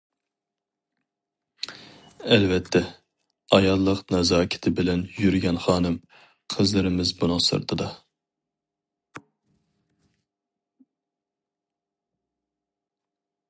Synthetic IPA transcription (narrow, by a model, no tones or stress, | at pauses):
ɛlvɛt̪ʰːɛ | ɑjɑlˠːəqnɛzɑːkʲʰɪ̥t̪ʰɪbɪlɛnjyɾɡʲɛnχɑːnɨm | qʰəzlˠɨɾɪmɪzbunɨŋsɨ̰ɾt̪ʰɨd̪ɑ